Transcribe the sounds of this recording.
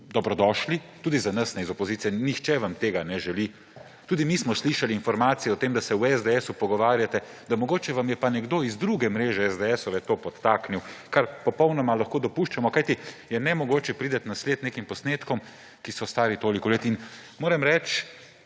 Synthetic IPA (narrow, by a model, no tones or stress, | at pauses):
d̪ɔbɾɔd̪ɔːʃlit̪uːd̪izanɐsnɛizɔpɔziːt̪ijɛnixt͡ʃɛʋamt̪eːɡanɛʒɛli | t̪uːd̪imismɔsliʃaliinfɔɾmaːt̪sijɛɔt̪eːmd̪asɛwɛzd̪ɛɛːsupɔɡɔʋaːɾjat̪ɛd̪amɔɡoːt͡ʃɛʋamjɛpanɛɡd̪oːizd̪ɾuɡɛmɾeːʒɛɛzd̪ɛɛsɔʋɛt̪oːpɔt̪ːakniwkaɾpɔpɔwnɔmalaxkoːd̪ɔpuʃt͡ʃamɔkajt̪ijɛnɛmɔɡoːt͡ʃɛpɾiːd̪ɐt̪nasleːt̪neːkimpɔsneːt̪kɔm | kisɔst̪aːɾit̪oːlikɔleːt̪inmoːɾɛmɾɛt͡ʃ